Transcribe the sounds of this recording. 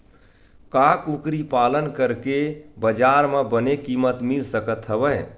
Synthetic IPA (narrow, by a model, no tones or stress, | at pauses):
kakukɾipalənkəɾkebəd͡ʒaɾmebənekimət̪milsəkət̪ɦəbəj